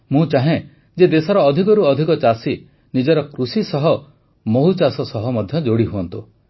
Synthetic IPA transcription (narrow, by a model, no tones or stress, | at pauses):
mũt͡ʃaɦẽ | d͡ʒed̪esɔɾɔːd̪ʱikɔɾuɔd̪ʱikɔt͡ʃasi | nid͡ʒɔɾɔkɾusisɔɦɔ | moɦut͡ʃasɔsɔɦɔmɔd̪ʱjɔd͡ʒoɽiɦuɔnt̪u